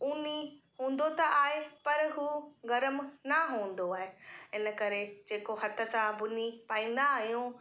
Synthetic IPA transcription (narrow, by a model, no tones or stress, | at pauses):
uːniɦũːn̆d̪ot̪ɐʔaːɦepɐɾɦuːɣɐɾəmnɐɦũːn̆d̪oaːɦeɪnə̆kɐɾed͡ʑeːkoɦɐt̪ʰə̆sãbʊnipaːĩːn̆d̪aːɦijũ